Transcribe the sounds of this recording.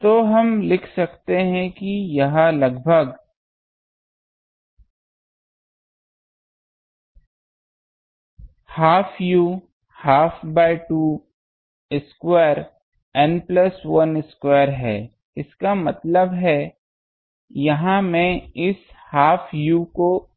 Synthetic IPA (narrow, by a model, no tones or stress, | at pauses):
t̪oɦɐmlɪkʰsɐkt̪eɦɛ̃kijɐɦãlɐɡbʱəɡ | haːfʰjuː | haːfʰbaːɪʈuː | ɪskweːɾ | ɛnplɐsʋɐnɪskweːəɾɦɛ̰ː | ɪskamɐt̪ləbɦɛ | jɐɦãmɛ̃ɪs | haːfʰjuko